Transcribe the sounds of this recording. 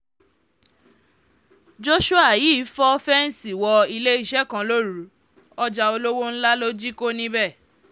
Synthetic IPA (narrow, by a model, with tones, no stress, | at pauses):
d͡ʒo˦ʃu˦a˦˨ji˨˦fɔ˦fɛ˦n̩˨si˨wɔ˧i˧le˦i˦˨ʃɛ˦kã˧lo˦ɾu˨˦ | ɔ˦d͡ʒa˧o˧lo˦wo˦n̩˦la˦lo˦d͡ʒi˦ko˦nĩ˧bɛ˦˨